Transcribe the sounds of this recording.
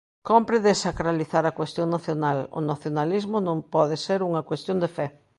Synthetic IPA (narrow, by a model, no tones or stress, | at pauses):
kɔmpɾɪðesakɾaliθaɾɐkwest̪joŋnaθjonalʊ̰naθjonalizmʊnõŋpɔðɪseɾuŋɐkwest̪jond̪efɛ